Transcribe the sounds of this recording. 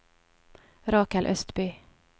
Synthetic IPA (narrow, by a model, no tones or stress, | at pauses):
ɾɑːkɛlʔœst̪bʏː